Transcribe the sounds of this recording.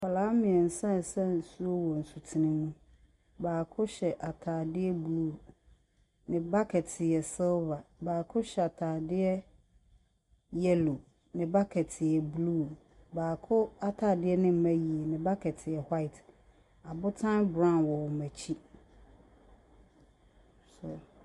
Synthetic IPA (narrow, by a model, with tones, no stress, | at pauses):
ka˨lãː˨˦mɪ̃˨ɛ˨n̩˨sã˦˨n˨sã˦˨n̩˨su˦o˦wɔ˨n̩˨su˨tʰi˨nɪ̃˦nũ˦ | baː˨kʰʊ˦ɕɛ˨ʔa˨tʰaː˨dɪ˦ɛ˦blu˦˨ | nɪ̃˨ba˦kʰɛ˨tʰɪ˨jɛ˨sɪ˦ba˨baː˨kʰʊ˦ɕɛ˨a˨tʰaː˨dɪ˦ɛ˦ | jɛ˦lo˨ | nɪ̃˨ba˦kʰɛ˨tʰɪ˨jɛ˨blu˦˨ | baː˨kʰʊ˦a˦tʰaː˨dɪ˦ɛ˦nɪ̃˦m̩˦mæ˦ji˨ɛ˨nɪ̃˨ba˦kʰɛ˨tʰɪ˨jɛ˨hwa˦ɪ˨tʰ | a˨bʊ˦tʰã˦bɾã˦˨nwɔ˨mæ˨t͡ɕʰi˦ | sɔ˨